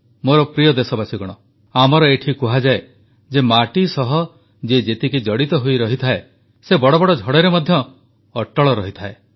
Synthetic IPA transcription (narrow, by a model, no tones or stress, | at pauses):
moɾɔpɾijɔd̪esɔbasiɡɔɽ̃ɔ | amɔɾɔeʈʰikuɦad͡ʒae | d͡ʒemaʈisɔɦɔ | d͡ʒed͡ʒet̪ikid͡ʒɔɽit̪ɔɦujɾɔɦit̪ʰae | sebɔɽɔbɔɽɔd͡ʒʱɔɽeɾemɔd̪ʱjɔː | ʈːɔɭɔɾɔɦit̪ʰae